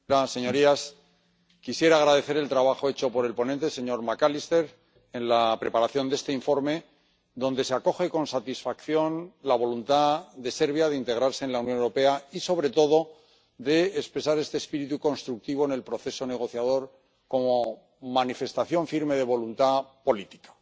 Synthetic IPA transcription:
ase̞ɲo̞ɾias | kisje̞ɾaːɣ̞ɾaðe̞θe̞ɾe̞lt̪ɾaβ̞axo̞e̞t͡ʃo̞po̞ɾe̞lpo̞nent̪e̞se̞ɲo̞ɾmakalist̪e̞ɾ | e̞nlapɾe̞paɾaθjo̞nd̪e̞st̪e̞iɱfoɾme̞ | d̪õ̞nd̪e̞seako̞xe̞ko̞nsat̪isfakθjo̞nlaβo̞lunt̪aðe̞se̞ɾβjaðeint̪e̞ɣ̞ɾaɾse̞ːnlauwnjo̞newɾo̞pe̞aiso̞β̞ɾe̞t̪o̞ð̞o̞ | ðe̞ːspɾe̞saɾe̞st̪espiɾit̪uko̞nst̪ɾuk̚t̪iβ̞oene̞lpɾo̞θe̞so̞ne̞ɣ̞o̞θjað̞o̞ɾ | ko̞mo | manife̞st̪aθjo̞ɱfiɾme̞ðe̞βo̞lunt̪apo̞lit̪i̥kḁ

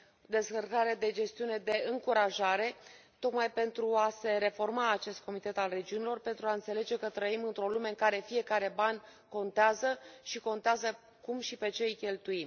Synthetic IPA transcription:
d̪e̞skərkaɾed̪e̞d͡ʒe̞st̪iune̞d̪e̞ɨŋkuɾaʒaɾe̞t̪o̞k̪majpe̞nt̪ɾuase̞ɾe̞fo̞rmaːt͡ʃe̞st̪̚ko̞mit̪e̞t̪alre̞d͡ʒiunilo̞rpe̞nt̪ɾuaɨnt̪se̞le̞d͡ʒe̞kət̪ɾəimɨnt̪ɾo̞lume̞ɨŋkaɾe̞fije̞kaɾe̞banʲko̞nt̪eazəʃiko̞nt̪eazə | kumʃipe̞t͡ʃe̞jkʲe̞lt̪uim

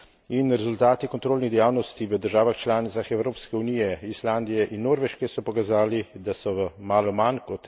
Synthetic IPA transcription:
inɾɛzult̪aːt̪ikɔnt̪ɾoːlniɣd̪ɛjaːwnɔst̪iʋəd̪əɾʒaːʋaxt͡ʃlaːnit̪saxɛwɾoːpskɛunijɛisland̪ijɛʔinːoːɾʋɛʃkɛsɔpɔkazaːlid̪asɔʋəmaːlɔmankɔt̪

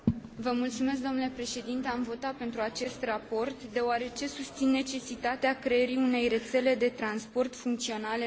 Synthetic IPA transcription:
vəmult̪sume̞s̬k̚d̪o̞mnule̞pɾe̞ʃe̞d̪int̪e̞amvo̞t̪at̪̚pe̞nt̪ɾuat͡ʃe̞st̪rapo̞rt̪d̪e̞oaɾe̞t͡ʃe̞sust̪sinːe̞t͡ʃe̞sit̪at̪eakɾe̞eɾiune̞jre̞t̪se̞le̞d̪e̞t̪ɾanspo̞rt̪fuŋk̚t̪sio̞nal

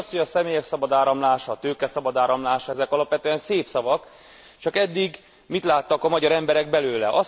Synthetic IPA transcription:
sthoɟɒsɛmeːjɛksɒbɒd̪aːɾɒmlaːʃɒt̪øːkɛsɒbɒd̪aːɾɒmlaːʃɛzɛkɒlɒpʋɛt̪øːɛnseːpsɒvɒk | t͡ʃɒkɛd̪ːiɡ | mit̪laːt̪ːɒkɒmɒɟɒɾɛmbɛɾɛɡbɛløːlɛʔɒ

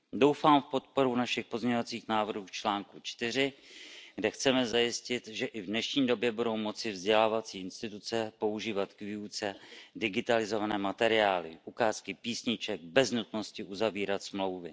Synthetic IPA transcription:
do̞wfaːmfpo̞t̪̚po̞ɾunaʃɪxpo̞zmɲɛɲovat͡siːxnaːvr̩ɦuːft͡ʃlaːŋkut͡ʃt̪ɪr̝ɪɡdɛxt͡sɛmɛzajɪscɪt̪ʒɛʔɪvdnɛʃɲiːdo̞bjɛbudo̞wmo̞t͡sɪvzɟɛlaːvat͡siːɪnst̪ɪt̪ut͡sɛpo̞uʒiːvat̪kviut͡sɛdɪɡɪt̪alɪzo̞vanɛːmat̪ɛɾɪaːlɪ̰ʔukaːskɪpiːsɲɪt͡ʃɛɡ̚bɛznut̪no̞scɪʔuzaviːɾat̪smlo̞wvɪ

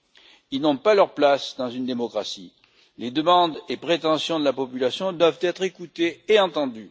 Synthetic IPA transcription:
ilnɔ̃palœʁplasd̪ɑ̃zynd̪emɔkʁasi | led̪əmɑ̃d̪epχet̪ɑ̃sjɔ̃d̪əlapɔpylasjɔ̃d̪wavt̪ɛt̪χekut̪eːɑ̃t̪ɑ̃d̪y

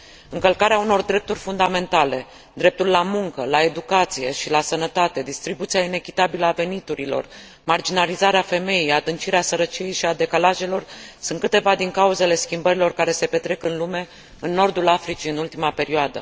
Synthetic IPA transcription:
ɨŋkəlkaɾeauno̞rd̪ɾe̞p̚t̪urʲfund̪ame̞nt̪ale̞ | d̪ɾe̞p̚t̪ulːamuŋkəlae̞d̪ukat̪sije̞ʃilasənət̪at̪e̞d̪ist̪ɾibut̪sijaine̞kʲit̪abiləave̞nit̪uɾilo̞̰r | mard͡ʒinalizaɾeafe̞me̞jejad̪ɨnt͡ʃiɾeasəɾət͡ʃije̞jʃiad̪e̞kalaʒe̞lo̞rsɨnt̪kɨt̪e̞vad̪iŋkauze̞le̞skʲimbəɾilo̞rkaɾe̞se̞pe̞t̪ɾe̞kɨnlume̞ | ɨnːo̞rd̪ulafɾit͡ʃiɨnult̪imape̞ɾioad̪ə̰

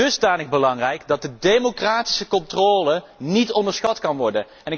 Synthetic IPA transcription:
ɵzdaːnəxbəlɑŋrɛjkdɑt̚dədejmokraːti̥səkɔntroːlənitɔndəɹsχɑtkɑnʋɔɹdən | ɛnɪ

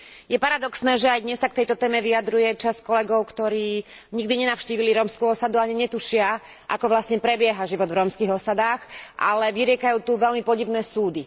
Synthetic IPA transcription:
jɛpaɾad̪ɔksnɛːʒɛajd̪ɲɛsːak̚t̪ɛjt̪ɔt̪ɛːmɛʋiad̪ɾujɛt͡ʃaskɔlɛɡɔʊkt̪ɔɾiːɲiɡd̪iɲɛnaʊʃciːʋiliɾɔmskuɔsad̪uaɲiɲɛt̪uʃɪa | ʔa̰kɔʋlasɲɛpɾɛbɪɛɦaʒiʋɔd̪vɾɔmskiːɣɔsad̪aːxʔa̰lɛʋiɾɪɛkajuːt̪uʋɛlmipɔɟiʋnɛːsuːd̪i

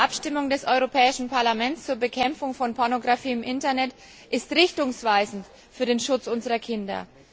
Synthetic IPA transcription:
ʔapʃtɪmʊŋdɛsʔɔʏʁopʰɛːɪʃn̩pʰaɐlamɛnt͡st͡suːɐbəkʰɛmfʊŋfɔnpʰɔɐnoɡʁafiːɪmʔɪntɐnɛt | ʔɪstʁɪçtʊŋsv̥aɪzn̩t | fyːɐdeːnʃʊt͡sʔʊnzəʁɐkʰɪndɐ̰

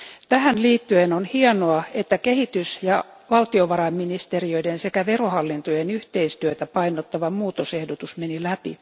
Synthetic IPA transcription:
t̪æhænliːt̪ːyenonhiɑnoɑet̪ːækehit̪ysjɑ | ʋɑlt̪ioʋɑɾɑmminist̪eriøidensekæʋerohɑlːint̪ojenyht̪eist̪yøt̪æpɑinot̪ːɑʋɑmuːt̪osehdot̪usmenilæpḭ

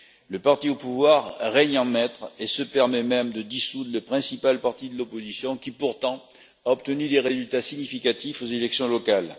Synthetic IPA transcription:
ləpaʁt̪iopuvwaʁːɛɲɑ̃mɛt̪χesəpɛʁmɛmɛmd̪əd̪isud̪ʁləpχɛ̃sipalpaʁt̪id̪əlɔpozisjɔ̃kʲipuʁt̪ɑ̃ | aɔp̚t̪ənyd̪eʁezylt̪asiɲifikat̪ifozelɛksjɔ̃lɔkal

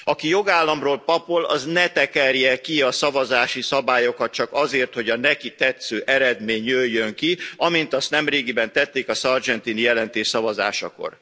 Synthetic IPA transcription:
ɒkijo̞ɡaːlːɒmroːlpɒpolɒ̰znɛt̪ɛkɛrjɛkiɒsɒvɒzaːʃisɒbaːjokɒt̪̚t͡ʃɒkɒzeːrt̪ho̞ɟɒnɛkit̪ɛt̪søːʔɛɾɛd̪meːɲøjːøŋkiɒmint̪ɒst̪nɛmreːɡibɛnt̪ɛt̪ːeːkɒsɒrd͡ʒɛnt̪inijɛlɛnt̪eːʃsɒvɒza̰ːʃɒ̰ko̞̰r

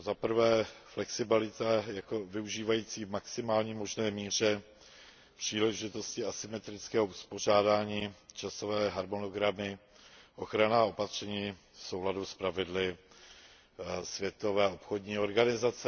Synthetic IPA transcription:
zapɾ̩vɛːflɛksɪbɪlɪt̪ajako̞vɪuʒiːvajiːt͡siːvmaksɪmaːlɲiːmo̞ʒnɛːmiːr̝ɛ | pr̝̥iːlɛʒɪt̪o̞scɪasɪmɛt̪ɾɪt͡skɛːɦouspo̞r̝aːdaːɲiːt͡ʃasovɛːɦaɾmo̞no̞ɡɾamɪ | ʔo̞xɾanaːo̞pat̪r̝̥ɛɲiː | fso̞wladuspɾavɪdlɪ | svjɛt̪o̞vɛːo̞pxo̞dɲiːo̞ɾɡanɪzat͡sɛ

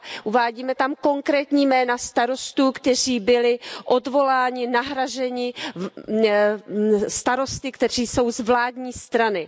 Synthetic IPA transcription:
ʔuvaːɟiːmɛt̪amko̞ŋkɾɛːt̪ɲiːmɛːnast̪aɾo̞st̪uːkt̪ɛr̝iːbɪlɪʔodvo̞laːɲɪnaɦɾaʒɛɲɪ | st̪aɾo̞st̪ɪkt̪ɛr̝iːso̞wzvlaːd̪ɲiːst̪ɾanɪ

